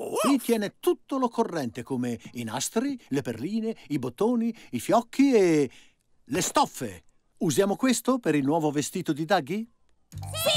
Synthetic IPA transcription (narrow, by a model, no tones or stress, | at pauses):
kwit̪ːjɛːnet̪ut̪ːolokorːɛnt̪ekoːmeinast̪ɾileperliːneibot̪ːoːniifjɔk̟ːie | lest̪ɔfːḛ | uzjaːmokwest̪opeɾilnwɔːvovest̪iːt̪od̪id̪aɡːi